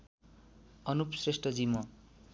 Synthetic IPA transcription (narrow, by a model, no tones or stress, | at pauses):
ʌnupsresʈʌd͡zimʌ